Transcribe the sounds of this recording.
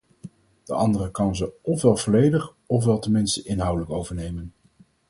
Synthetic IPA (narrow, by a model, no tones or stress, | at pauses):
d̥əʔɑndərəkɑnzəɔfʋɛlˠvɔlejdəχ | ɔfʋɛlˠtənmɪnstəʔɪnɦɑwdələkowvəɹnejmən